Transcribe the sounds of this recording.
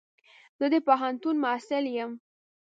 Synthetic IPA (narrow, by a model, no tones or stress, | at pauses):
z̥əd̪epaɦant̪unmasɪljəm